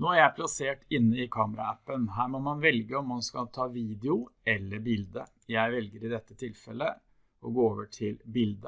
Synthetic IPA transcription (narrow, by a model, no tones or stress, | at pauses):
noːæɾjæɪpʰlɑseːʈɪnːəɪkʰɑːməɾɑ̰æpːənɦæːɾmɔmɑnʋɛlɡəɔmːɑnskɑlt̪ʰɑːʋiːd̪ɛʊɛlːəɾbɪld̪ə | jæɪʋɛlɡəɾɪd̪ɛt̪ːət̪ʰɪlfɛlːə | ɔɡoːoːʋəʈʰɪlbɪld̪ə